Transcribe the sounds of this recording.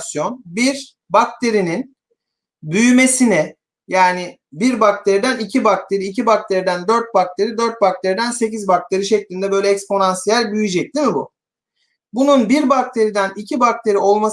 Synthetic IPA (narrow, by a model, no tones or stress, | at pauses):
sjo̞nbiɾ | bak̚t̪ʰe̞ɾinin | byjyme̞sinɛ | jaːnɪ | biɾbak̚t̪ʰe̞ɾid̪ænicʰibak̚t̪ʰe̞ɾiːcʰibak̚t̪ʰe̞ɾid̪ænd̪ø̞ɾt̪̚bak̚t̪ʰe̞ɾid̪øɾt̪̚bak̚t̪ʰe̞ɾid̪ænse̞cizbak̚t̪ʰe̞ɾiʃɛclʲind̪ɛbø̞jlʲɛɛcspo̞nansijælʲbyjyd͡ʒɛc̚d̪ʲimibʊ | bununbiɾbak̚t̪ʰe̞ɾid̪ænicʰibak̚t̪ʰe̞ɾio̞lˠma